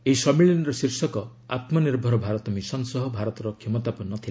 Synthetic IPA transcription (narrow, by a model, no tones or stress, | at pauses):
eisɔmiɭinɾɔsiɾsɔkɔ | at̪mɔniɾbʱɔɾɔbʱaɾɔt̪ɔmisɔnsɔɦɔbʱaɾɔt̪ɔɾɔkʰjemɔt̪apɔnːɔt̪ʰila